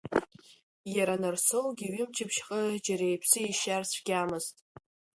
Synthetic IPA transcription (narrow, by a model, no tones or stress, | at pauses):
jaɾanɨrsowɡʲiɥɪmt͡ʃʰɪpʰʃχʼəd͡ʒaɾejpʰsɨiʃarsʷʰɡ̥ʲamɨztʼ